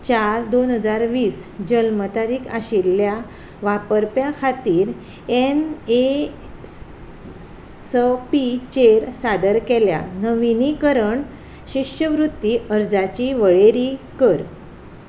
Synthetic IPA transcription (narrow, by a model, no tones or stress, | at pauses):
t͡ɕaɾd̪onɦəd͡zaɾʋiːsd͡ʑəlmət̪aɾiːkʰaɕilːja | ʋapəɾpjakʰat̪iːɾ | ene | səpit͡ɕeɾsad̪əɾkɛlja̰nəʋinikəɾəɳ | ɕiɕjəʋɾut̪ːiʔəɾd͡zat͡ɕiːʋəɭeɾi | kəɾ